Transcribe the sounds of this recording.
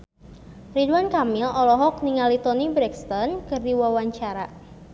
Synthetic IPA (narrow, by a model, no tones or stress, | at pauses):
riduankamilɔlɔɦɔk̚niŋalit̪ɔnibɾɛkst̪ɔnkɨrdiwawaɲt͡ʃaɾa